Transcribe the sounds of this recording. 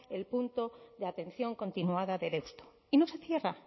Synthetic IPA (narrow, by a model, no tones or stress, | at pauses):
e̞lpunt̪o̞ðeat̪ẽ̞nθjo̞ŋko̞nt̪inuaðaðe̞ɾe̞wst̪o̥ | ino̞se̞θje̞ra